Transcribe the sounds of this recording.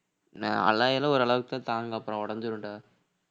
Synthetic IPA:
naɐ̰lːaːjɐlɐɔɾɯɐɭɐʋɯkɯt̪ãːt̪aːŋɡɐɐpːɯɾɔ̃ːɔɽɐnd̪ɯɾɯɳɖaː

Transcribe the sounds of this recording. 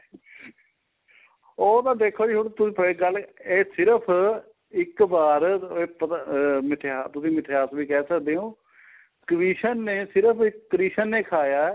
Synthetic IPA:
oːt̪ãːd̪eːkʰoːd͡ʒioɽt̪ʊĩːpəeːɡəleːsɪɾəpʰ | ɪkbaːɾeːpət̪amɪʈʰeaːt̪ʊsĩːmɪʈʰeːaːsʋiːkɛːsək̚d̪eːɦõː | kəɾiːʃənːeːsɪɾəpʰɪkːəɾiːʃənːeːkʰaːjaː

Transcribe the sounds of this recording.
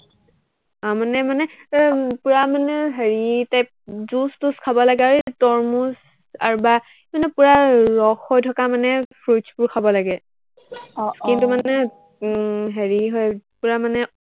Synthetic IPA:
amanɛmanɛ | puɹamanɛɦeɹitajp | zustuskʰabɔlaɡɛaɹetɔɹmus | a̰ɹuba | manɛpuɹaɹɔxɔjtʰɔkamanɛfʰɹut͡ʃpuɹkʰabɔlaɡɛ | skintumanɛ | ɦeɹiɦɔjpuɹamanɛ

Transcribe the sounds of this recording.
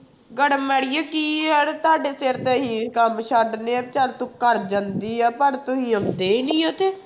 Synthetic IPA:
ɡəɽmɛːɽɪjaːkiːəɾt̪ʊaːɖeːseːɾt̪eɦĩːkəmʃaɖneːɛːbt͡ʃaːɾt̪ũkəɾd͡ʒãnd̪iːɛːpəɾt̪ʊɦĩːəkd̪eːiːnĩːoːt̪eː

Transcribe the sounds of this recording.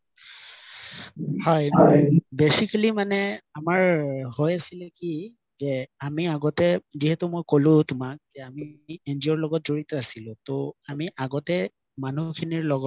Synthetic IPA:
hɔjbesikalimanɛamaɹhojasilɛki | zɛamiaɡɔtɛziɦɛtʊmojkolʊ̃tʊmak̚ɛamiendiɔɹlɔɡɔt̚zoɹitɔasilʊ̃toamiʔaɡɔtɛ | manukʰiniɹlɔɡɔ

